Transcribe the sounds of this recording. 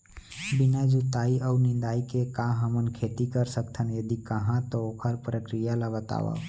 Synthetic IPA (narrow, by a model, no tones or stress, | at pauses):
binad͡ʒut̪aiʔəunĩnd̪aikekãɦəmənkʰet̪ikəɾsəkt̪ʰənjəd̪ikəɦãt̪ɔokʰəɾpɾəkɾijaləɡət̪a̰ʋə̰